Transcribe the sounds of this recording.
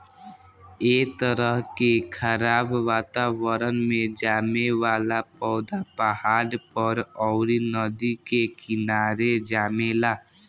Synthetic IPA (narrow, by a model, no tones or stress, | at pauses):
et̪əɾəɦkekʰəɾaːbʋaːt̪aʋəɾənmẽd͡ʒaːmeʋalapɔːd̪apəaɾpəɾɔʊɾinəd̪ikekɪnaɾed͡ʒamela